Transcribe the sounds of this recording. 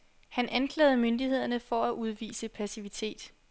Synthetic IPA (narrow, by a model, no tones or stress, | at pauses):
hænʔænkʰlɛ̰ːð̩ˠmønd̥ihe̝ð̞̰ˠɐnəfɒ̽æʔuð̞ˠʋḭːsəpʰæsiʋit͡sʰe̝̰ːd̥